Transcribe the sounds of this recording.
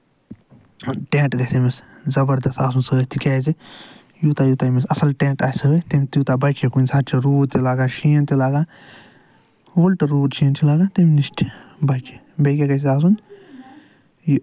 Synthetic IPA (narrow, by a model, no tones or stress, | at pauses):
ʈẽːʈɡɐsemeszɐbɐɾd̪ɐst̪aːs̬unsəːt̪ʰikʲeːzi | jut̪aːjut̪amesɐsɐlʈẽːʈaːsɨt̪imʲt̪jut̪abɐt͡ʃekunʲsatt͡ʃʰiɾuːd̪t̪ilaːɡaːʃiːnt̪elaːɡaː | wolʈɐɾuːt͡ʃʰiːnt͡ʃʰilaːɡaːt̪emniʃʈʰbɐt͡ʃe | bekʲeɡɐs̬iaːs̬un | ji